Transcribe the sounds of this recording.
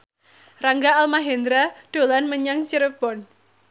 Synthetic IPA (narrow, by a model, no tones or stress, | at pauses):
raŋɡaːlmaɦend̪ɾaɖ̥o̤lanməɲaŋt͡ʃəɾəb̥ɔn